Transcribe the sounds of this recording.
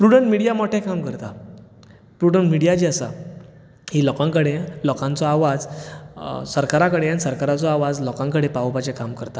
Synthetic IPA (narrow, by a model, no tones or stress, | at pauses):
pɾuɽəɳʈmiɽijamɔʈʰẽkamkəɾt̪a | pɾuɽəɳʈmiɽijad͡ʑiəsa̰ | hilɔkãŋkəɽelɔkãnt͡sɔaʋad͡z | səɾkaɾakəɽeañsəɾkaɾat͡sɔaʋad͡zlɔkãŋkəɽepaʋopat͡ɕekamkəɾt̪a